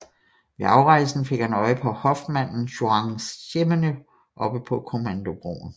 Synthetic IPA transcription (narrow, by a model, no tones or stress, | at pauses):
ʋe̝ɑ̈ʊʁɑ̈ɪsn̩fe̝ɡ̥hænɒ̽ɪəpʰɒ̽hɒ̽fd̥mæn̰n̩ɕoɑ̈ŋsemənə | ʔɒ̽b̥əpʰɒ̽kʰo̝mænd̥o̝b̥ʁo̰ːn̩